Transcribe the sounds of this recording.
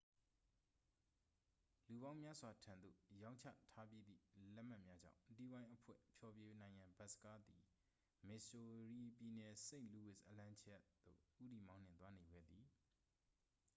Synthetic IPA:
lu˨βã˦ʊ̃mja˦zwa˨tʰã˨nd̪ðo̰˦˨jã˦ʊ̃ɲt͡ɕʰä̰˦˨tʰa˦p̬je˦d̪ḭ˦˨lɛ˦ʔm̥a˦ʔmja˦d͡ʑã̰˦˨ʊ̃ti˦˨wã˦ɪ̃ʔəpʰwɛ̰˦˨pʰjɔ˨bje˦nã˨ɪ̃jã˨mba˦ʔsə̥ka˦ʔd̪i˨ | mɪ˨so˨ɹi˨pji˨nɛ˨se˦ɪ̃lu˨wɪ˦˨sʔəlã˦nt͡ɕʰɛ˦ʔt̪ːo̰˦˨ʔu˦ti˨mã˦ʊ̃n̥ɪ̰̃˨t̪wa˦ne˨ɡɛ̰˦˨d̪i˨

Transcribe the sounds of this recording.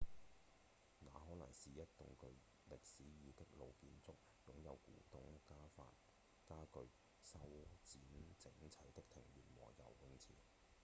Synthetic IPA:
ŋaː˨˧ɦɔː˨˥nɐ̰˨˩ŋsiː˨jɐ˥t̚t̪ʊ̰˨ŋkɵ˧ɥ | lɪ˨k̚siː˨˥jiː˨˧t̪ɪ˥k̚lo˨˧wkiː˧nt͡sʊ˥k̚ | jʊ˨˥ŋjɐ˨˧wkṵː˨˥t̪ʊ˨˥ŋkaː˥fa̰ː˧t̚ | kaː˥kɵ˧ɥ | sɐ˥wt͡siː˨˥nt͡sɪ˨˥ŋt͡sʰɐ˨˥jt̪ɪ˥k̚t̪ʰɪ˨˩ŋɥyː˨˩nwɔ̰ː˨˩ŋjɐ̰˨wwɪ˧˥ŋt͡sʰiː˨˩n

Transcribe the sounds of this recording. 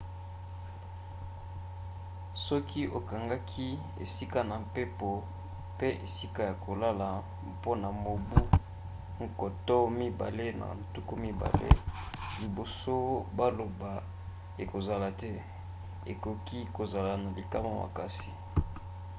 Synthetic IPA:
sɔ˦ki˦ʔo˨ka˨ŋɡa˦kʰi˦ | ḛ˨si˦ka˦na˨mpe˦po˨ | pe˦ʔḛ˨si˦ka˦ja˨kʰo˨la˦la˨ | po˦na˨mo˨bu˦ | ŋ˨ko˨to˦mi˦ba˨le˦na̰˨n˨tu˦ku˦mi˦ba̰˨lḛ˦ | li˨bo˨so˦ba˦lo˨ba˨ | e˨ko˨za˨la˨tɛ˦ | ḛ˨ko˨ki˦ko˨za˨la˨na˨li˨ka˦ma˦ma̰˨ka˦si̥˨

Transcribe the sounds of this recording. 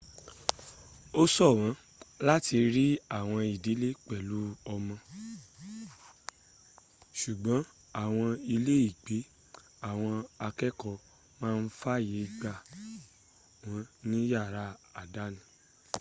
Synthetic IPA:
o˦sɔ˦˨w̃ã˨˦ | la˦ti˧ɾi˦a˦˨w̃ɔ̃˧i˨di˨˦le˦k͡pɛ˨lu˨˦ɔ˧mɔ̃˧ | ʃu˨ɡ͡bɔ̃˨˦ | a˦˨w̃ɔ̃˧i˧le˦i˦˨ɡ͡be˨˦ | a˦˨w̃ɔ̃˧a˧kɛ˦kɔ˧ | mãː˦˧n̩˦fa˦je˨˦ɡ͡ba˧ | wɔ̃˨˦nĩ˦ja˦˨ɾa˦a˨da˨˦nĩ˨

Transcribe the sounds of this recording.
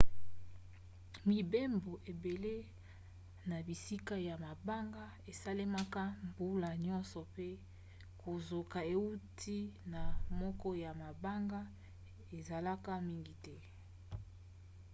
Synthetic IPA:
mi˨be˦mbo˨ʔe˨be˨le˦ | na˨bi˨si˦ka˦ja˨ma˨ba˦ŋɡa˦ | e˨sa˦le˦ma˦ka˦mbu˦la˨ɲɔ˦nsɔ˨pe˦ | ko˨zo˨ka˨e˨u˦tʰi˦na˨mɔ˦kɔ˦ja˨ma˨ba˦ŋɡa˦ | e˨za˨la˦ka˦mi˦ŋɡi˨tɛ˦

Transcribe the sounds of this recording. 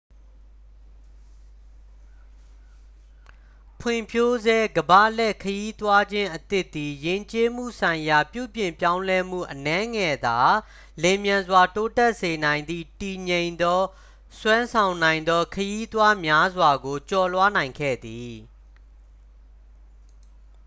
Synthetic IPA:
pʰwɪ̃˨mpʰjo˦zɛ˦ɡəba̰˦˨lɛ˦˨kʰəji˦t̪wa˦d͡ʑɪ̃˦ʔət̪ɪ˦ʔt̪ːi˨jɪ̃˦˨ɲt͡ɕe˦m̥ṵ˦˨sʰã˨ɪ̃ja˨pjṵ˦˨bjɪ̃˨mpjã˦ʊ̃lɛ˦m̥ṵ˦˨ʔənɛ̃˦ŋɛ˨d̪a˨ | lɛ˨mjã˨nzwa˨to˦tɛ˦ʔse˨nã˨ɪ̃nd̪ḭ˦˨ti˨ɲẽ˨ɪ̃nd̪ɔ˦ | swã˦nsʰã˨ʊ̃nã˨ɪ̃nd̪ɔ˦kʰəji˦t̪wa˦mja˦zwa˨ɡo˨t͡ɕɔ˨lwa˦nã˨ɪ̃ŋkʰɛ̰˦˨d̪i˨

